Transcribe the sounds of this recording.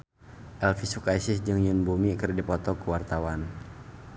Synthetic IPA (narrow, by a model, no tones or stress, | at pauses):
ʔɛlfisukaisɪsd͡ʒɨŋjunbumikərdipɔt̪ɔkuwart̪awan